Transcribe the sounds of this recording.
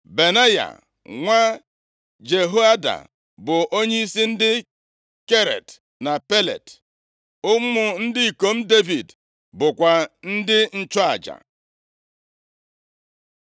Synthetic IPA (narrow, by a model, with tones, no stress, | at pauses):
be˨na˦ja̰˨ | ŋʷa˦ | d͡ʒe˨ɦo˦a˦da̰˨ | bʊ˨ʔo˦ɲe˦i˦si˦n̩˦dɪ˦ | ke˦ɾḛ˨t | na˨pe˦lḛ˨t | ʊ˦mʊ˨n̩˦dɪ˦i˨ko˨m̩˦de˦vi˨d | bʊ˨kʷa˨n̩˦dɪ˦n̩˦t͡ʃɔ˦a˨d͡ʒa̰˨